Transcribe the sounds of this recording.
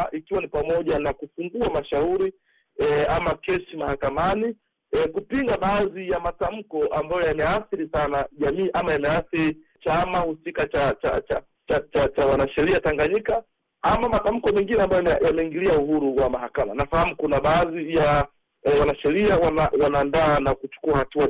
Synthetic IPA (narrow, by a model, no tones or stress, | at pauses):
ʔikiwanipamɔʄanakufuŋɡuamaʃauɾi | amakɛsimahakamani | kupiŋɡaɓaːzijamatam̩kɔʔambajɔjamɛaθiɾisanaʄamiːʔamajamɛaθiɾi | t͡ʃamahusikat͡ʃat͡ʃat͡ʃa | t͡ʃat͡ʃat͡ʃawanaʃɛɾiataŋɡaɲika | amamatam̩kɔmɛŋɡinɛambajɔɛjamɛiŋɡiliauɦuɾuwamahakamanafahamukunaɓaːzija | wanaʃɛɾiawanawanaːndaːnakut͡ʃu̥kuahatua